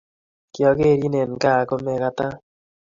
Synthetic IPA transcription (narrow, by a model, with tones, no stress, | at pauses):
kjɔ˨ke˦˨ɾi˦ne˨n˨ka˦˨ko˦me˨ka˦ta˦